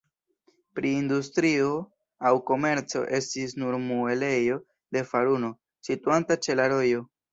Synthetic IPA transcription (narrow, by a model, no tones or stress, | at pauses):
pɾiːndustɾio̞ | awko̞me̞ɾt͡so̞̰ʔe̞stis̬nuɾmue̞le̞jo̞ | de̞faɾuno̞ | situantat͡ʃe̞laɾo̞jo̞